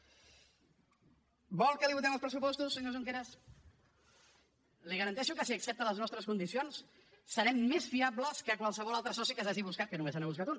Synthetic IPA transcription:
bɔlˠkəliβut̪ɛməlˠspɾəs̬upɔst̪usːəɲozuŋk̬eɾəs | liɣəɾənt̪ɛʃukəsiəksɛp̚t̪ələznɔst̪ɾəskund̪isionsː | əɾɛmːezfiabləskəkwalˠsəβ̞ɔlalˠt̪ɾəsɔsikəs̬aʒiβuskat̪̚kənumesanəβus̬kat̪un

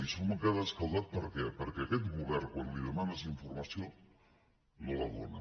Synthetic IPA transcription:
iʃomakeðaskawðat̪̚pəɾkɛpəɾkɛakɛt̪ɣuβɛɾkwanliðəmanasiɱfuɾmasio | nolaðo̰na̰

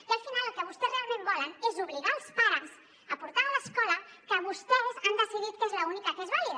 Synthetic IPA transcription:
ialfinalukeβust̪ezrealˠmẽmbɔlenezuβliɣalˠspaɾms | apuɾt̪aɾlaskɔlakəβust̪ewzand̪esiðit̪̚kezlaunikakezβaje

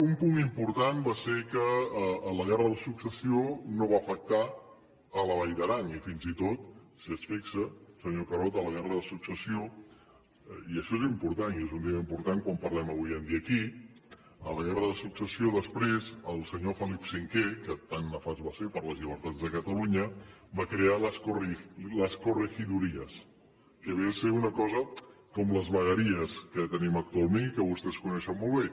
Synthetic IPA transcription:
umpuŋimpuɾt̪anbasekələɣɛrəðəsuksəsionoβ̞aəfək̚t̪a | ələβ̞ajðəɾanifinzit̪ot̪̚siəsfiksəsəɲokəɾɔt̪ələɣɛrəðəsuksəsio | iəʃɔezimpuɾt̪aniezund̪eməimpuɾt̪aŋkwampərlɛməβujənd̪iəːki | ə̰ləɣɛrəðəsuksəsioðəspɾezəlˠsəɲofəlipsiŋkekət̪anːəfazβasepəɾləzʎiβ̞əɾt̪ad͡zðəkət̪əluɲəbakɾealəskuriləskurəxiðuɾiəs | kəβɛlseunəkɔzəkɔmləzβəɣəɾiəskət̪ənimək̚t̪ualˠmẽnikəβust̪ɛskunɛʃəmːolˠβe

